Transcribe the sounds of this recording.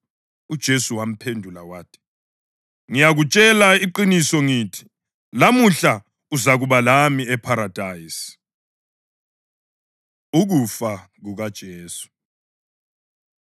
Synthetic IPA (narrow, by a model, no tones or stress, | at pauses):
ud̥ʒ̥ʱesuwam̩pʰendʱulawaːtʰi̥ | ŋijaɣut͡ʃʼɛlaiǃinisɔŋiːtʰi̥ | lamuɬa | uzaɣuβalamiɛpʰaɾad̥ʱajisi̥ | uɣufa | ɣuɣad̥ʒ̥ʱeːsu̥